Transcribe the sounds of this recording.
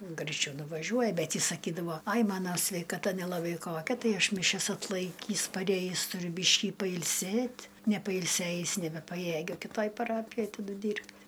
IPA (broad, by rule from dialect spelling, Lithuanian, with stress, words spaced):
ɡrɐɪˈt͡ʃʲɛʊ nʊʋɐˈʒʲuɔjɛ ˈbʲɛt ˈjɪs sɐˈkʲiːdɐʋoː ɐɪ ˈmɑːnoː sʲʋʲɛɪkɐˈtɐ nʲɛlˠɐˈbɐɪ ˈkoːkʲɛ ˈtɐɪ ˈɐʃ mʲɪˈʃʲɛs ɐtˈlˠɐɪkʲiːs pɐˈrʲeːjiːs tʊˈrʲʊ ˈbʲiːʃʲkʲiː pɐɪlʲˈsʲeːtʲ nʲɛpɐɪlʲˈsʲeːjɪs nʲɛbʲɛpɐˈjeːɡʲʊ kʲɪˈtoːj pɐˈrɑːpʲɪjoːj tɐˈdʊ ˈdʲiːrʲpʲtʲ